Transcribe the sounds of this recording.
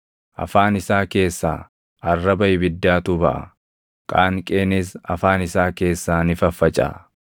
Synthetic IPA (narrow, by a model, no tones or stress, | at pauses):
ʔɐ̰faːnɪsaːke̞ːsːa̰ː | ɐrːɐbɐjɪbɪd̪ːaːt̪ʊbɐʔɐ̰ | kʼaːŋkʼeːnɪsɐfaːnɪsaːke̞ːsːaːnɪfɐfːɐt͡ʃʼa̰ː